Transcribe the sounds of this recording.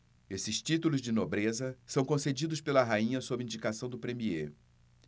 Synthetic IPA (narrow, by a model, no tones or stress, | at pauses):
esɪʃt͡ʃit̪ulʊzd͡ʒɪnobɾezɐsɐ̃w̃kõsed͡ʒid̪ʊspelɐɦaĩɲɐsobɪĩd͡ʒikasɐ̃w̃d̪ʊpɾemie